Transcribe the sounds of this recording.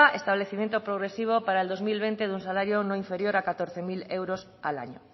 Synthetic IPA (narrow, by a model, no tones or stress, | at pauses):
ʔest̪aβleθimẽnt̪opɾoɣɾesiβ̞opaɾaeld̪ozmilβent̪eðuŋsalaɾjonõiɱfeɾjoɾakat̪oɾθemilewɾos | a̰la̰ɲo̰